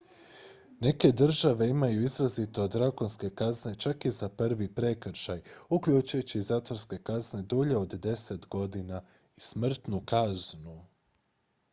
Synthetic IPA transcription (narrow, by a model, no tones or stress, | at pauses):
ne̞ke̞d̪r̩ʒaʋe̞imajuizɾazit̪oːd̪ɾakonske̞kazne̞t͡ʃakizapr̩ʋipɾe̞kr̩ʃajukʎuːt͡ʃujut͡ɕizaːt̪oɾske̞kazne̞d̪uʎe̞od̪d̪e̞se̞t̪ɡo̞d̪ina | ismr̩t̪nukaznu